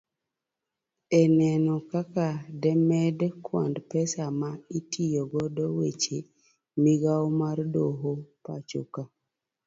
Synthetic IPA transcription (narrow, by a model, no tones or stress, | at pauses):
ɛnɛnɔkakadɛmɛdkwa̰ndpɛsamaitʰijɔɡɔdɔwet͡ʃe | miɡaomardoɦopa̰t͡ʃo̰ka